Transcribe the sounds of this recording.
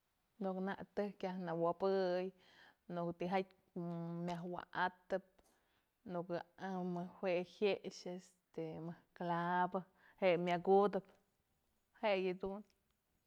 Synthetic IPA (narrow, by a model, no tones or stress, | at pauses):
nuknaʔt̪ɨkjahnawabɨj | nukt̪iɦajk | mʲjaɦwa̰ʔat̪ɨp̚ | nukaamɨhwʷehjeʔʃes | t̪emɨhklabɨ | heʔmjaɡud̪ɨp | heʔjɨd̪un